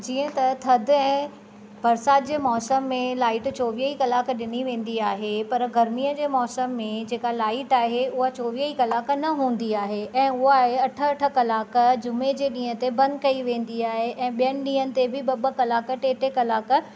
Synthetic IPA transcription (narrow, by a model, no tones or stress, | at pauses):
d͡ʑiːə̃t̪ɐt̪ʰɐd̪ʱɛ̃ː | bɐɾsaːd̪d͡ʑeːmɔːsəmːẽlaːɪʈt͡ɕoːʋiːəikɐlaːkɗɪniʋẽːn̆d̪iaːɦepɐɾɡɐɾmiːəd͡ʑeːmɔːsəmːẽd͡ʑeːkalaːɪʈaːɦeʊɦat͡ɕoːʋiːəikɐlaːknɐɦũːn̆d̪iaːɦeʔɛ̃ːʊɦaɦeɐʈʰə̆ɐʈʰə̆kɐlaːkd͡ʑʊmed͡ʑeːɗĩːɦə̃t̪ebɐ̃nd̪kɐiʋẽːn̆d̪iaːɦeʔɛ̃ːɓijənɪ̆ɗĩːɦənɪ̆t̪ebɪɓɐbəkɐlaːkəʈeːʈekɐlaːk